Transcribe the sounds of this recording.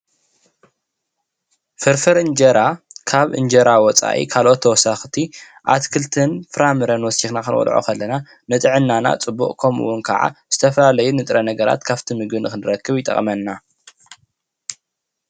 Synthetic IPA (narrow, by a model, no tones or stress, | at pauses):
fɨɾfɐɾɨnd͡ʒɐɾakʰaβʔɨ̰nd͡ʒɐɾawɔt͡sʼa̰ʔḭkʰalʔo̞t̪ʰːɐwɔsaxt̪ʰi | ʔa̰t̪kʰɨlt̪ʰɨnfɨɾamɨɾɐnwɔsixnakɨnʔʼɔ̰lʕo̰kʰɐlːɐna | nɨt̪ʼɨʕɨnːana̰t͡sʼɨbːṵχʼkʰɐmṵwːʊnkʰɐ̰ʕa̰z̥ɨt̪ʰɐfɐlalɐjunɨt̪ʼɾɐnɐɡɐɾa̰t̪kʰaβt̪ʰimɨɡɨnɨxɨnɨɾɐkːɨβjɪt̪ʼɐ̰χʼmɐnːa